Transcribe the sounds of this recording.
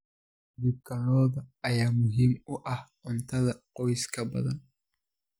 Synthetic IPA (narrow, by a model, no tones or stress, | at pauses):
dʊb̚ɡʰɐɾɔːðɐɐjaːmʊɦiːmʊʔɐhʔʊnt̪ʰɐðɐqɔjskʰɐbɐ̰ðɐ̰n